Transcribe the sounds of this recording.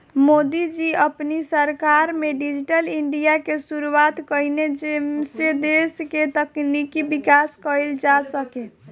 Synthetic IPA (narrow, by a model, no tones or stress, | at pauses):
mod̪id͡ʒiəpnisəɾkaɾmeɖid͡ʒiʈəliɳɖijakesuɾuat̪kəined͡ʒemsed̪esket̪əknikibikaskəjld͡ʒasəke